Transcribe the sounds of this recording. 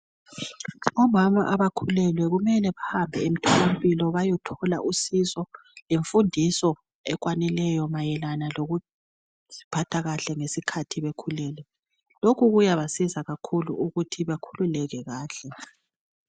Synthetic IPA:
ɔmama̰ʔaβakʰulɛlwɛɣumɛlɛβahambʱɛem̩tʰɔlampʼilɔβajɔtʰɔla̰ʔusisɔ | leɱfundʱisɔ | ɛɣwanɛlɛjɔmajɛlanaloɣu | si̥pʰatʰaɣaɬɛŋesikʰatʰiβekʰulɛːlɛ | lokʰuɣujaβasizaɣakʰulṵuɣutʰiβakʰululɛɣɛɣaːɬɛ

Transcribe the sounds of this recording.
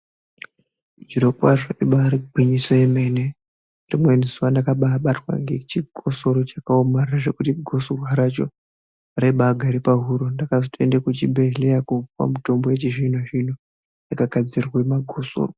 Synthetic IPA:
d͡ʒiɾokwaʐoiɓaɾiɡʱwiɲisoeme̞ne | rimwe̞nizuwandakaɓaːɓatwa̰ŋɡe̞t͡ʃiɡʱo̞so̞ɾo̞t͡ʃḁkaomarraʐe̞kutiɡʱo̞soɦaɾat͡ʃo̞̰ | ɾeɓaɡʱaɾipaɦuɾondakazotʰendekut͡ʃibʱe̞ɮejakuwa̰muto̞mbojet͡ʃiʐin̤oʐin̤o | jakaɡʱad͡zirwemaɡʱo̞so̰ːro

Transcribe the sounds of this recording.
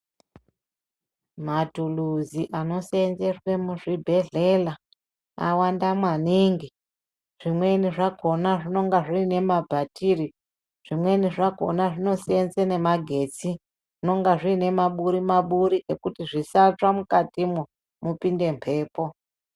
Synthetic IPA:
madʱuluziʔano̞senze̞rwe̞muʐibʱe̞ɮe̞la | a̰wandamwaniːŋɡi | ʐ̥imwe̞niʐaɡʱo̞naʐino̞ŋɡaʐiːne̞mabʱatʰiri | ʐ̥imweniʐaɡʱo̞̰naʐino̞seenzene̞maɡʱe̞t͡si | ʐ̥ino̞ŋɡaʐiːne̞maɓuɾimaɓuɾiʔekutiʐisat͡ʂamukatimu | mupinde̞mpʰe̞ːpo̞

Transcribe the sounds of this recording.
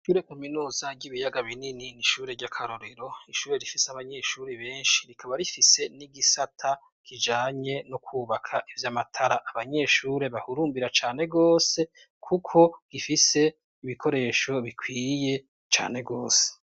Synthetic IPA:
ʃuːɾe̞kominuːzaɾɟiβijaɡaβinininiʃuːɾe̞ɾɟakʰaɾoɾe̞ɾo̞iʃuːɾe̞ɾifiseaβaɲe̞ʃuːɾe̞βe̞ːnʃi̥ɾikʰaβaɾifise̞niɡisatʰa | kid͡ʒaːɲe̞nokʰuːβakʰaʔivjamatʰaɾaʔaβaɲe̞ʃuːɾe̞βahuɾuːmbiɾat͡ʃaːne̞ɡo̞ːse̞ | kʰukʰo̞ɡ̥ifise̞ | iβikʰo̞ɾe̞ːʃo̞βikʰwiːje̞ | t͡ʃa̰ːne̞ɡo̞ːse̥

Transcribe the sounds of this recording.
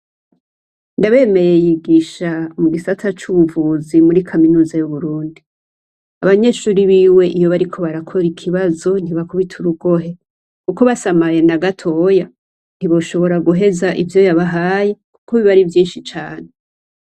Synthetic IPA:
ndaβe̞ːme̞je̞jiɡiʃamuɡisatʰat͡ʃuβuvuːzimuɾikʰaminuːzajuβuɾuːndi | aβaɲe̞ːʃuːɾiβiːwe̞ʔijo̞βaɾikʰo̞βaɾakʰo̞ɾikʰiβazo̞n̥iβakuβitʰuɾuɡo̞ɦe̞ | kuko̞βasamaje̞naɡatʰo̞ːja | n̥hiβo̞ʃo̞βo̞ɾaɡuɦe̞zaʔivjo̞jaβaɦaːje̞ku̥kʰoβiβaɾivjiːnʃit͡ʃaːne

